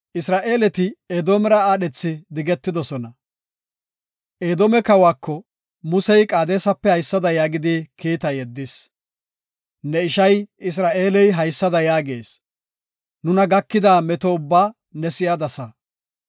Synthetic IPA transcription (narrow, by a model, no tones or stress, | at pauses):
ʔɪsɾaːʔe̞ːlɛt̪ɪeːd̪oːmɛɾɐaːɗɛt͡sːɪd̪ɪɡɛt̪ːɪd̪ɔsɔnɐ | ʔeːd̪oːmɛkɐwaːkːɔ | mʊsɛjkʼaːd̪eːsɐpːɛhɐjsːɐd̪ɐjaːɡɪd̪ikiːt̪ɐjɛd̪ːɪs | nɛɪʃɐjɪs̬ɾaːʔe̞ːlɛjɦɐjsːɐd̪ɐjaːɡe̞̰ːs | nʊnɐɡɐkːɪd̪aːmɛt̪ɔʊbːaː | nɛsɪjad̪ɐsɐ